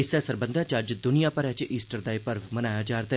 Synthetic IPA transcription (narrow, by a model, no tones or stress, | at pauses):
ɪsɛsəɾbə̃nd̪ãt͡ʃəd͡ʒd̪ʊnijaːpəɾɛt͡ʃʔiːsʈəɾd̪aːipəɾʋmənaːjad͡ʒaːɾt̪a